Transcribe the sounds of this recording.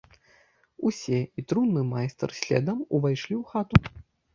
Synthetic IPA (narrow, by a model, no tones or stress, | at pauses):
usʲɛit̪ɾunːɨmajst̪ɐrsʲlʲɛ̰d̪ɐmuvajʂlʲiwxat̪u